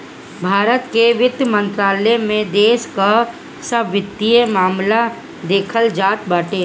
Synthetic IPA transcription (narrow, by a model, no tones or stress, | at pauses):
bʱaːɾət̪keʋɪd̪jəmə̃nt̪ɾaːlemẽd̪eːʃka | səbʱʋɪt̪ːijemaːmla | d̪eːkʰəld͡ʒaːt̪baːʈeː